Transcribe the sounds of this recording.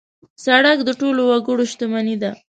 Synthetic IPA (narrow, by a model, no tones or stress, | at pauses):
saɽak̚d̪əʈolowaɡəɽoʃt̪əmanid̪a